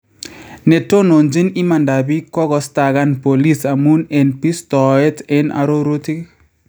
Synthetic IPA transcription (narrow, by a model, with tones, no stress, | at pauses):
ne˨to˦no˨nd͡ʒi˦ni˦ma˨nda˨bi˦kɔ˦ɣɔ˨sta˨ɣa˦npo˨li˦sa˨mu˦ne˨npi˦stɔ˨ɛ˦te˦na̰˨ɾo˦ɾo˦ti˦k